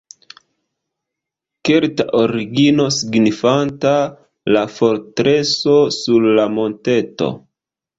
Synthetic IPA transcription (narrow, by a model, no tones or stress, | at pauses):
ke̞ɾtaʔoɾiɡino̞siɡnifanta | lafo̞ɾtɾe̞so̞sulːamo̞nte̞to̞̰